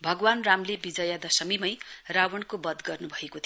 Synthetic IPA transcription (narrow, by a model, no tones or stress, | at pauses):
bʱʌɡwanramlebid͡zʌjad̪ʌsʌmimʌjrawʌɳkobʌd̪ɡʌrnubʱʌekot̪ʰ